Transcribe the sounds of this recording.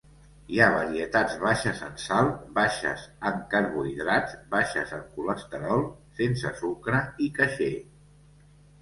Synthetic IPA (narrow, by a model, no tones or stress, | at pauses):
iaβəɾiət̪ad͡zβaʃəzə̰nsalˠbaʃə̰zəŋkaɾβuiðɾad͡zbaʃəzəŋkuləst̪əɾɔlˠsensəsukɾəikəʃe